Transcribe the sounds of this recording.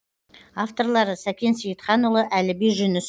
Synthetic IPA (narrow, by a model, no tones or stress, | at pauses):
aft̪o̞rlˠɑɾəsækʲe̞nsijət̪χɑnʊlˠəʔælɪbejʒʏnʏs